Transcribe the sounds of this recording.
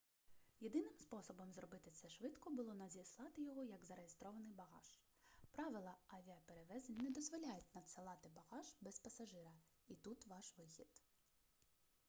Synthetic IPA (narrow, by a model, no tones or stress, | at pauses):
jed̪ɪnɪmspɔsɔbɔmzrɔbɪt̪ɪt̪sɛʃʋɪt̪kɔbʊlˠɔnɐzʲislˠɑt̪ɪjɔɦɔjɐɡzɐɾejest̪ɾɔʋɐnɪjbɐɣɑ̰ʒ̥ | pɾɑʋɪlˠɐɐʋʲiɐpeɾeʋɛzenʲnɛd̪ɔzʋɔlʲajɪtʲnɐt̪sɪlˠɑt̪ɪbɐɣɑʒbɛspɐsɐʒɪɾɐ | it̪ut̪ʋɑʃʋɪxʲḭd̪̥